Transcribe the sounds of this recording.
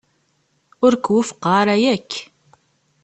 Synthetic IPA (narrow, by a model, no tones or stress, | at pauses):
ʊɾkwʊfə̥qːaɾæjækː